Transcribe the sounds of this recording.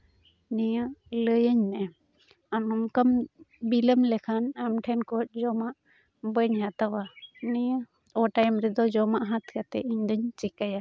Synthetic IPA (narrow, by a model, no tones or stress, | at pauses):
nijaʔləjəɲnɛ | amɔmkəmbiləmlɛkʰanamʈʰɛnkɔt̪̚d͡ʒɔmaʔ | bəɲhat̪awanɛja | ɔʈajmɾɛd̪ɔd͡ʒɔmaʔɦãt̪kat̪ɛ̰ʔiɲd̪əɲt͡ʃikaja